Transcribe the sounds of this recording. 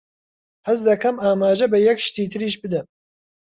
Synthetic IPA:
hɐzd̪ɐkɐmaːmaːʒɐbɐjɛkʃt̪iːt̪ʰɨɾiːʃbɨd̪ɐm

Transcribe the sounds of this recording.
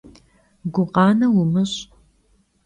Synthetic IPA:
ɡʷʊqɑːnɐwʊmɨɕʼ

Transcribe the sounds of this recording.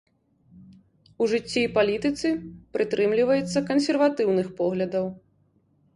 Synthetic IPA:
uʐɨt͡sʲːiːpalʲit̪ɨt̪sɨpɾʔɨt̪ɾɨmlʲivɐjɛt̪sːɐkɐnsʲɛrvat̪ɨwnɨxpɔɣlʲɐd̪ɐw

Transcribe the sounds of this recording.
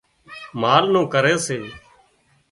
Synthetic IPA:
maːlnũːkəɾeːseː

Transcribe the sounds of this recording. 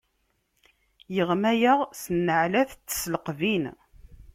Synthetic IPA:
jəʁmæjaʁsənːəʕlæθt͡sːə̥sləqvin

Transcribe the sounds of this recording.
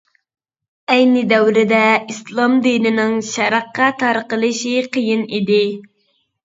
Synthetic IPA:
ɛjnɪd̪ɛwɾɪd̪ɛislˠɑmd̪inɪnɪŋʃɑɾɑqːɑt̪ʰɑɾqəlˠɨʃiqʰəjinid̪ɪ

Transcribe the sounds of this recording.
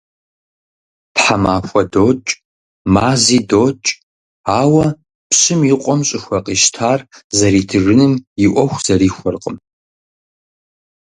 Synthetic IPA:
pħamaːxʷɐdoːt͡ʃʼ | maːziːdoːt͡ʃʼ | aːwɐ | pɕɪmiqʷʼɔmɕʼɪxʷɐqʼiːʃtʰaːrzɐɾiːtʰɨrɨnɨmɪʔʷɔxʷz̥ɐɾiːxʷɔrqʼəm

